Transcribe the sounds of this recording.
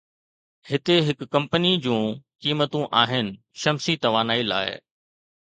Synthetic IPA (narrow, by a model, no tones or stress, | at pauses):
hɪt̪eɦɪkːɐ̃mpənid͡ʑũːkiːmət̪ũʔaːɦɪnɪ̆ | ʃɐmsit̪ɐʋaːnaːila̰ːɪ̰